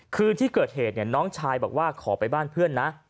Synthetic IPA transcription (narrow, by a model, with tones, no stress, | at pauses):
kʰɯː˧t̪ʰiː˥˩kɤː˨˩t̪̚heː˨˩t̪̚ni˥˩ənɔː˦˥ŋt͡ɕʰaː˧jbɔː˨˩k̚waː˥˩kʰɔː˩˦pa˧jbaː˥˩npʰɯ˥˩ənːa˦˥ʔ